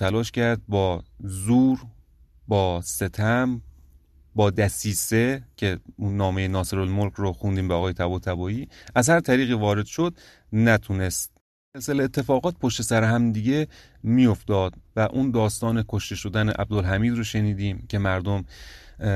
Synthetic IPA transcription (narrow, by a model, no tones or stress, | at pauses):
ælɒːʃcʰæɾd̪̚bɒːzuːɾ | bɒːse̞t̪ʰæm | bɒːd̪æsiːse̞cʰe̞unːɒːme̞jenɒːseɾolmolkʰɾoxund̪iːmbeɒːɣɒːjet̪ʰæbɒːt̪ʰæbɒːiːæzhæɾt̪ʰæɾiːɣiːvɒːɾe̞d̪̥ʃo̞d̪̚ | næt̪ʰune̞st̪̚ | elseleet̪ʰːe̞fɒːɣɒːt̪̚pʰoʃt̪esæɾeɦæmd̪iɟe̞ | mijo̞ft̪ɒːd̪væʔuːnd̪ɒːst̪ɒːnekʰo̞ʃt̪e̞ʃod̪æneʔæ̰b̚d̪olɦæmiːd̪ɾoʃe̞niːd̪iːmcʰe̞mæɾd̪om